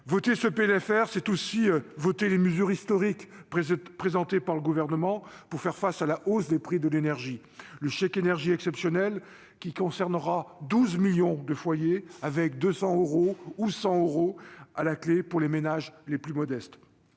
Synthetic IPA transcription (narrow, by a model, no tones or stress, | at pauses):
vɔt̪esəpeɛlɛfɛʁsɛt̪osivɔt̪eleməzyʁist̪ɔʁik | pχezɑ̃t̪epaʁləɡuvɛʁnəmɑ̃puʁfɛʁfasalaʔosd̪epχid̪əlenɛʁʒi | ləʃɛkenɛʁʒiɛksɛpsjɔnɛl | kʲikɔ̃sɛʁnəʁad̪uzmiljɔ̃d̪əfwajeavɛkd̪øsɑ̃øʁousɑ̃øʁoalaklepuʁlemenaʒleplymɔd̪ɛst̪